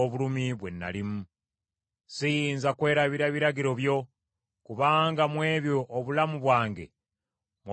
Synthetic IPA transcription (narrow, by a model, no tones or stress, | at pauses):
oβulumiβwe̞̰nːa̰limu | sijiːnzakwe̞ːɾaβiɾaβiɾaɡiɾo̞βjo̞ | kuβaːŋɡamwe̞ːβjoʔːβulamuβwaːŋɡe̞̰ | mwo